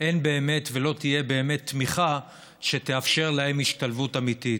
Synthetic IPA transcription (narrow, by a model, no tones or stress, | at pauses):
ʔe̞nbe̞ːme̞tvelo̞t̪ije̞be̞ːme̞t̪ːmiχa | ʃe̞t̪eafʃe̞ʁlahemiʃtalvutamit̪it